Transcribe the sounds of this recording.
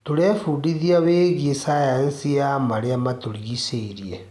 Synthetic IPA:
toɾɛfuːdiðiaβeːɣiesajansiamaɾeamatoɾiiseiɾiɛ

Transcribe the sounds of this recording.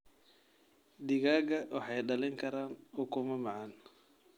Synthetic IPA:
d̪ɪɣaːɡɐwʔɑħɑjɖɐlɪŋkʰɐɾaːnʊkʰʊmɐmɑʕɑn

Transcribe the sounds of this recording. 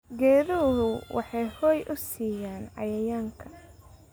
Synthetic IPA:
ɡɛːɾuɦʊwʔɑ̰ħɑjhɔːjʔʊsiːjaːnʕɑ̰jɐjaːŋkʰɐ̥

